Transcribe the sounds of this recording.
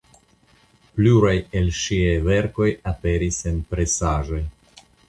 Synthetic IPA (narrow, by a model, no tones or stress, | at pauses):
pluɾaje̞lʃiajve̞ɾko̞jape̞ɾise̞npɾe̞saʒo̞j